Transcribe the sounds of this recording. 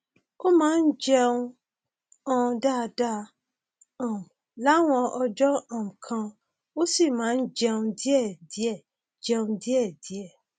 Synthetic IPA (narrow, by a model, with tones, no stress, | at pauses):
o˦mãː˦n̩˦d͡ʒɛ˧ũ˧ | ɔ̃˧da˦˨˧da˦ | ã˦˨ | la˦w̃ɔ̃˧ʔɔ˧d͡ʒɔ˦ã˦˨m̩̃˨kʰã˧ | wo˦si˦˨mãː˨˦n̩˦d͡ʒɛ˧ũ˧di˦ɛ˦˨di˨˦ɛ˦˨ | d͡ʒɛ˧ũ˧di˦ɛ˦˨di˨˦ɛ˦˨